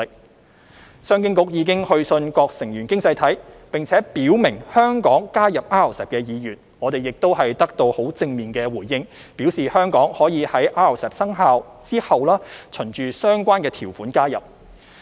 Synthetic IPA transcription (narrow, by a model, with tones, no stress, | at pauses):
k̚ | sœː˥ŋkɪ˥ŋkʊ˥k̚jiː˨˧kɪ˥ŋhɵ˧ɥsɵ˧nkɔː˧k̚sɪ˨˩ŋjyː˨˩nkɪ˥ŋt͡sɐ˧jt̪ʰɐ˨˥jpɪ˨˩ŋt͡sʰɛː˨˥piː˨˥wmɪ˨˩ŋhœː˥ŋkɔː˨˥ŋkaː˥jɐ˨p̚ʔaː˥ɐ˨˩wsɛː˨p̚kɛː˧jiː˨˧jyː˨˩n | ŋɔː˨˧t̪e˨jɪ˨k̚t̪o˥wɦɐ˨jt̪ɐ˥k̚t̪o˧who˨˥wt͡sɪ˧ŋmiː˨˩nkɛː˧wuː˨˩jːɪ˧ŋ | piː˨˥wsiː˨˩hœː˥ŋkɔː˨˥ŋhɔː˨˥jiː˨˧hɐ˨˥jʔaː˥ɐ˨˩wsɛː˨˩p̚sɐ˥ŋɦaː˧wt͡siː˥hɐ˨wlaː˥t͡sʰɵ˨˩nt͡ʃyː˨sœː˥ŋkʷaː˥nkɛː˧t̪ʰiː˨˩wfuː˨˥nkaː˥jɐ̰˨˩p̚